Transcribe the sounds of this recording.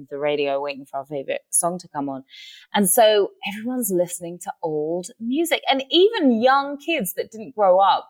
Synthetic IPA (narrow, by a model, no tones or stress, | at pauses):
ðəɹeɪɾioʊweɪtɪ̃ŋfə˞aʊəfeɪvɹɪ̰t̚sɒ̃ŋtʰəkʰʌ̃mə̃nʔə̃nsoʊʔɛvɹiwʌ̃nzlɪsnɪ̃ŋtʰəʔoʊlˠdmjʉːzɪkə̃niːvə̃njʌ̃ŋkʰɪdzðəʔ̚d̥ɪdⁿn̩ɡ̥ɹoʊʌp̚